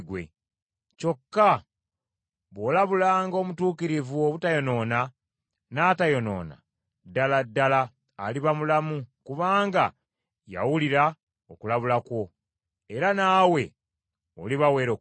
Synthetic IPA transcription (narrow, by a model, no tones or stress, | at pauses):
ɡwe̞̰ | co̞kːa | βo̞ːlaβulaːŋɡo̞ːmutuːkiɾivuoβutajo̞no̞ːna | naːtajo̞no̞̰ːna̰ | dːaladːalaː | liβamulamukuβaːŋɡa | ja̰wuliɾa | okulaβulakwo̞ | e̞ɾanaːwe̞ | oliβawe̞ːɾo